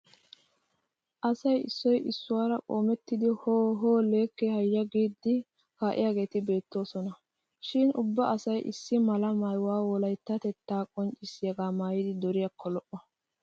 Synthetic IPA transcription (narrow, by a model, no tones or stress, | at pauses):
ʔɐsɐjɪ̰sːɔjʔɪsːʊwaːɾɐkʼoːmɛt̪ːɪd̪ɪhoːɦoːle̞ːkːɛhɐjːɐɡiːd̪ːɪ | kaːʔɪ̰jaːɡe̞ːt̪ɪbe̞ːt̪ːo̞ːsɔnɐ | ʃɪnʊbːɐʔɐsɐjʔɪ̰sːɪmɐlɐmɐjwaːwɔlɐjt̪ːɐt̪ɛt̪ːaːkʼɔnt͡ʃʼːɪsjɐɡaːmaːjɪd̪ɪd̪ɔɾɪjɐkʰːɔlɔʔɔ